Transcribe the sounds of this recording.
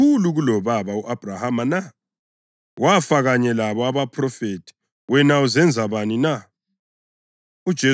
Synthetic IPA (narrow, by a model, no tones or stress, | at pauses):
uluɣulɔβaβauʔab̥ʱrahamana | wafaɣaɲɛlaβɔaβapʰrɔfetʰi̥ | wɛnauzɛnd͡zʱaβanina | ud̥ʒ̥ʱe